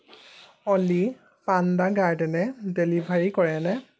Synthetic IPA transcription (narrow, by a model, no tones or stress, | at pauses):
ɔli | pandaɡaɹdɛnɛdelibʱaɹikɔɹɛnɛ